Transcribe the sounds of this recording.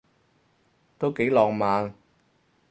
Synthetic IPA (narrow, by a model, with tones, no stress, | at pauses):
t̪o˥wke˨˥jlɔː˨ŋmaː˨˧n